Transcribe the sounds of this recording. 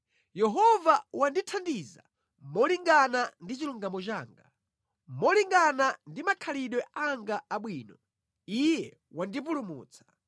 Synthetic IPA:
jɛɦɔvawanditʰandiza̰ | mɔliŋɡanandit͡ʃiluŋɡamɔt͡ʃaːŋɡa | mɔliŋɡanandimakʰaliɗwɛaŋɡaːɓwiːnɔ | ijɛ | wandip̬ulumṵːt͡sʰḁ

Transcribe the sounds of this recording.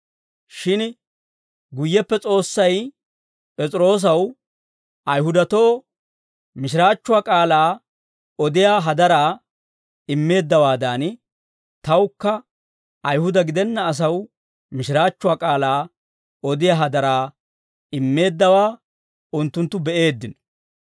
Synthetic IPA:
ʃɪn | ɡʊjːɛpːɛt͡sʼo̞ːsːɐj | pʼɛt͡sʼɾo̞ːs̬ɐw | ʔɐjɦʊd̪ɐt̪oː | mɪʃ̬ɪɾaːt͡ʃːʊwaːkʼaːlaː | ɔd̪ɪjaːɦɐd̪ɐɾaː | ɪmːe̞ːd̪ːɐwaːd̪aːn | t̪ɐwkːɐ | ʔɐjhʊd̪ɐɡɪd̪ɛnːɐːs̬ɐw | mɪʃɪɾaːt͡ʃːʊwaːkʼaːlaː | ɔd̪ɪjaːɦɐd̪ɐɾaː | ɪmːe̞ːd̪ːɐwaː | ʊnt̪ːʊnt̪ːʊbɛʔe̞ːd̪ːɪnɔ̥

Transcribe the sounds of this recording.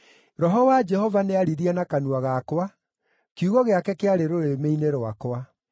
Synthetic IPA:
ɾɔɦɔwad͡ʒɛhɔvaneaɾiðiɛnakanuaɣakwa | kuɣɔɣeakɛkeaɾeɾoɾemeineɾoa̰kwa

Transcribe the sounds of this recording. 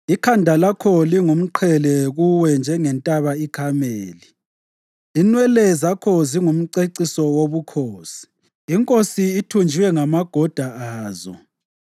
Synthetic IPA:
ikʰandʱalakʰɔliŋum̩ǃʰɛlɛɣuwɛnd͡ʒʱɛŋɛntʼaβaikʰameːli | inwɛlɛzakʰɔziŋum̩ǀeǀisɔwoβukʰoːsi̥ː | ŋkʼosiːtʰund͡ʒʱiwɛŋamaɡ̥ʱɔd̥ʱaaːzɔ̰

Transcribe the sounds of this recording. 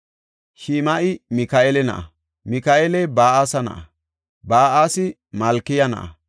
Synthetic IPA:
ʃiːmɐʔɪmɪkɐʔelɛnɐ̰ʔɐ | mɪkaʔelɛbaːʔasɐnɐ̰ʔɐ | baːʔaːsɪ | mɐlkːɪjɐnɐ̰ʔɐ̰

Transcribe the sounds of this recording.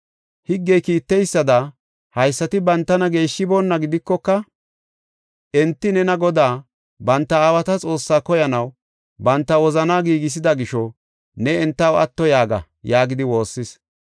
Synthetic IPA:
hɪɡːɛjkiːt̪ːɛjsːɐd̪ɐ | hɐjsːɐt̪ɪbɐnt̪ːɐnɐɡe̞ːʃːɪboːnːɐɡɪd̪ɪkːɔkːɐ | ʔɛnt̪ːɪnɛnɐɡɔd̪aː | bɐnt̪ːɐːwɐt̪ɐt͡sʼo̞ːsːaːkɔjɐnɐw | bɐnt̪ːɐwɔzɐnaːɡiːɡɪs̬ɪd̪ɐɡɪʃɔ | nɛɛnt̪ːɐwɐ̰t̪ːɔjaːɡɐ̰ | jaːɡɪd̪ɪwo̞ːsːɪs

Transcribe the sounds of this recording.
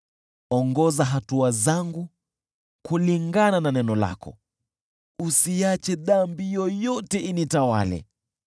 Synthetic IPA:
ɔŋɡɔzaɦatuazaŋɡu | kuliŋɡanananɛnɔla̰kɔ̰ | usiat͡ʃɛðambijɔjɔtɛʔinitawa̰lɛ̰

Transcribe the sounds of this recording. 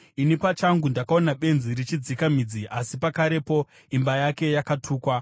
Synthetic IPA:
inipat͡ʃaŋɡundakao̞naɓe̞nzirit͡ʃid͡zikam̤id͡ziʔasipakaɾe̞po̞ | imbajake̞jakatʰuːkwa

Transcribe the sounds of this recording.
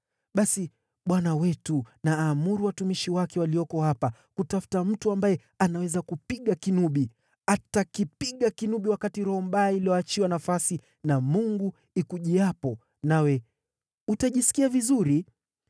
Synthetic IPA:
ɓasi | ɓwanawɛtunaːmuɾuwatumiʃiwakɛwaliɔkɔhapa | kutafu̥tam̩tuambajɛ | anawɛzakupiɠakinuɓi | atakipiɠakinuɓiwakatiɾɔmbaːiliɔat͡ʃiwanafasi | namuŋɡu | ikuʄiapɔ | nawɛ | utaʄiskiavizuɾi

